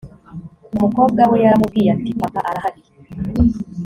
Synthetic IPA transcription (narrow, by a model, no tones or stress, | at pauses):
umukoːb̚ɡawojaɾamubɡijatipakaʔaɾahaɡiɾ